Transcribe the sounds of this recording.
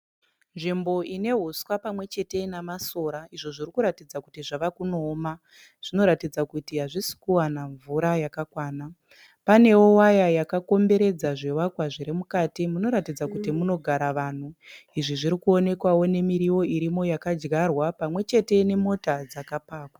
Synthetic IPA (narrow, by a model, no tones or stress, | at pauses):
nʐimbo̞ʔine̞ɦuswapamwe̞t͡ʃe̞te̞namaso̞ːɾaiʐo̞ʐirikuɾatid͡zakutiʐaʋakuno̞ːma | ʐ̥ino̞ɾatid͡zakutiɦaʐisi̥kuwanaɱvuɾajakakwaːna | pane̞wo̞wajajakako̞mbe̞ɾe̞d͡zaʐewakwaʐiɾimukaːtimuno̞ɾatid͡zakutimuno̞ɡʱaɾaʋan̤uiʐiʐiɾikuo̞ne̞kwawo̞ne̞miɾiwo̞iɾimo̞jakad͡ʒɡarwapamwe̞t͡ʃe̞te̞ne̞mo̞tad͡zakapaːkwa